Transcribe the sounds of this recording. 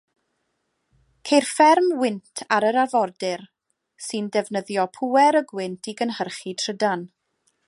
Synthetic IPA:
kʰejrfɛrmwɪntʰaɾəɾarvɔrdɪr | sɨndɛvnəðjɔpʰuɛɾəɡwɪntʰiɡənhərχitʰr̥ədan

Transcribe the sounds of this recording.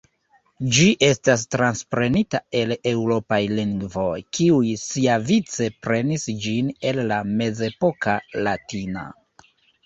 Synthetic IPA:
d͡ʒiʔe̞stas̬tɾanspɾe̞nitae̞le̞wɾo̞pajliŋɡvo̞jkiujsiavit͡se̞pɾe̞nisd͡ʒine̞lːame̞ze̞po̞kalatina̰

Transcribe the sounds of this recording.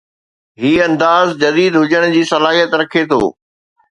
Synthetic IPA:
ɦiːɐ̃nd̪aːzd͡ʑɐd̪iːd̪ɦʊd͡ʑəɽ̃d͡ʑiːsɐlaːɦijət̪ɾɐkʰet̪ʰo̰ː

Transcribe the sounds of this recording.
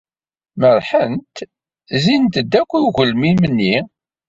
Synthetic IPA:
məɾˤħənt̪ | zint̪əd̪ːækʷːuʝəlmimənːi

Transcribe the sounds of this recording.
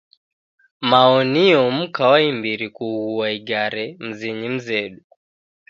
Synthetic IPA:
maɔniɔm̩kawaimbiɾikuɣuaiɡaɾɛm̩ziɲim̩zɛɗu

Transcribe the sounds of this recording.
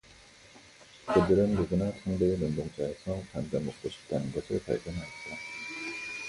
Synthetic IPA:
k͈ɯdɯɾɯnːuɡunasʰaŋdenondoŋt͡ɕ͈ae̞sʰʌkandemok̚s͈oɕʰi̥k̚t͈anɯnɡʌsʰɯɭpa̰ɭɡjʌnɦaɕida

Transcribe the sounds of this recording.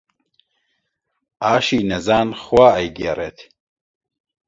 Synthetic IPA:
aːʃiːnɛzaːnxwaːɛjɡeret̪

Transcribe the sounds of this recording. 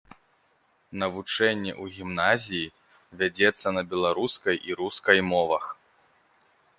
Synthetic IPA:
nɐvut͡ʂɛnʲːɛ̰ʔuɣʲimnazʲiji | vʲad͡zʲɛt̪sːɐnɐbʲɛlˠaɾuskɐjʔiɾuskɐjmɔvɐx

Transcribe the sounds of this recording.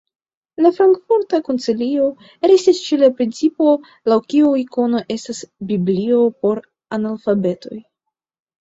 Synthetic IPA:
lafɾaŋkfuɾtakont͡silio̞ | ɾe̞stist͡ʃelapɾint͡sipo̞ | lawkiuiko̞no̞ʔe̞stasbiblio̞po̞ɾ | analfabe̞to̞̰j

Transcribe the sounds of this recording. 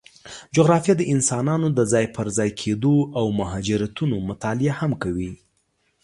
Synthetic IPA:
d͡ʒoɣɾɑfjad̪əʔɪnsɑnɑnod̪əzɑjpəɾzɑjkʰed̪oʔawmʊɦɑd͡ʒɪɾat̪unomʊt̪ɑlɪahamkawi

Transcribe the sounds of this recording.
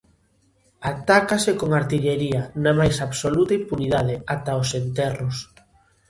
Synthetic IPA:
at̪akasekoŋaɾt̪iʎeɾiɐnamajsaβsolut̪ɐimpuniðað̞eat̪aosent̪ɛrʊs

